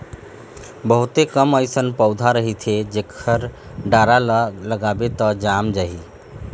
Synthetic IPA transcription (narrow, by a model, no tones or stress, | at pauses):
bəɦut̪ekəməjsənpəwd̪ʱaɾəɦit̪ʰed͡ʒekʰəɾ | ɖaɾaləɡabet̪əd͡ʒamd͡ʒaɦi